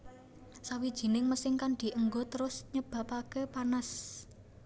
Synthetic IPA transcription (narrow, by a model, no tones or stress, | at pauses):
sawid̥ʒ̥i̤nɪŋməsɪŋkand̪̥i̤ʔəŋɡot̪əɾʊsɲəb̥ä̤pakəpanas